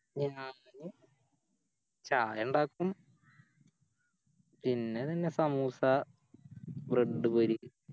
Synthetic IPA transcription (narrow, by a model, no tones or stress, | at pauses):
ɲaa | ɲɨ | t͡ɕaːjɐɳɖaːkːum | pinːe̞t̪ɐnːesɐmuːsɐ | breɖːɨpɐɾu